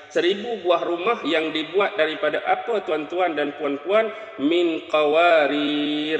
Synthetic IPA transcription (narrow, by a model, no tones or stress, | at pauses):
səɾibubuahrumahjaŋdibuat̪̚daɾipadaʔapat̪uant̪uandanp̪uanp̪uan | mɪnkawaɾir